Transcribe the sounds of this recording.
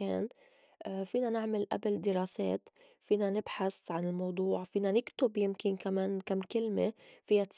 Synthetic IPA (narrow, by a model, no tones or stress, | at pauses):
eːn | fiːnanɪʕmɪlʔa̰bɪld̪ɪɾɑːsḛːt̪ | fiːnanɪbħasʕanɪlmɑwd̪ˤuːʕfiːnanɪkt̪ʊbjɪmkɪnkameːnkamːkɪlmefiːjat̪